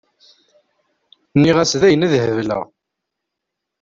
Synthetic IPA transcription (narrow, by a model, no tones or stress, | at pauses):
nːiʁæsðæjənæðhəvlə̰ʁ